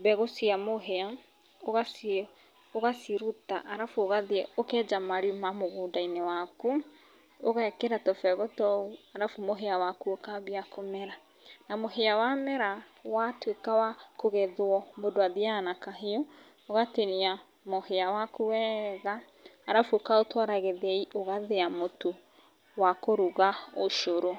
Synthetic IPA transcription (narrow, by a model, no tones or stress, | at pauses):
bɛɣosiamoɦea | oɣas | oɣasiɾuta̰ʔaɾafoɣaðiɛokɛd͡ʒamaɾimamoɣudainewaku | oɣaɛkeɾatɔfɛɣɔtɔuaɾafumoɦeawakuokaβiakʰomɛɾa | namoɦeawamɛɾawatwekawakoɣeðwɔmodoaðianakaɦeɔ | oɣateɾia | moheawakuwɛɣaː | ɾafuokaotwaɾaɣeðɛioɣaðeamotu | wakoɾuɣaoʃoɾo